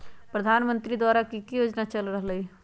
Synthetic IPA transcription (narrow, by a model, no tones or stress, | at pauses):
pɾəd̪ʱaːnmə̃nt̪ɾid̪waːɾakikijoːd͡ʒnat͡ʃəlɾəɦləi